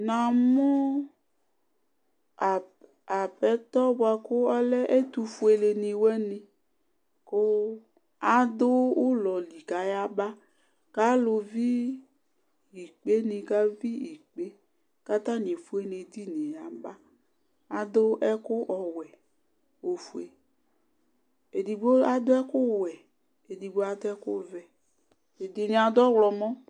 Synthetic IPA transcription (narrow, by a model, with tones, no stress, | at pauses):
nã˨mɔ˦˨ | a˨pɛ˨˦t̪ɔ˦bʊ˦a˨kʊ˦ɔ˦lɛ˦ʔe˦t̪u˨fu˦e˨le˨nĩ˨wɛ˦nĩ˨ | kʊ˦ | a˦d̪ʊ˦wʊ˦lɔ˨li˨ka˨˦ja˦ba˦ | ka˦lʊ˧vi˦ | i˨k͡pe˦nĩ˨ka˦vi˦i˨k͡pe˦ | ka˦t̪a˦n˨e˨fu˦e˦ne˨d̪i˦ne˨ja˨ba˦ | a˨d̪ʊ˦ʔɛ˦kʊ˦ʔɔ˨wɛ˨ | wo˨fu˨e˨ | e˨di˨bo˦a˦d̪ʊ˦ɛ˦kʊ˦˨wɛ˨ | e˨di˨bo˦a˦d̪ɛ˦kʊ˦vɛ˨ | e˨di˨ne˨a˨d̪ʊ˦ɔ˦wlɔ˨mɔ̃˦